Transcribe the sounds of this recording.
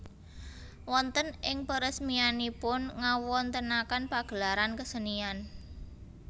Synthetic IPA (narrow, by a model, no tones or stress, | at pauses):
wɔnt̪ənʔɪŋpəɾəsmianipʊnŋawɔnt̪ənakanpaɡ̥əlaɾankəsənian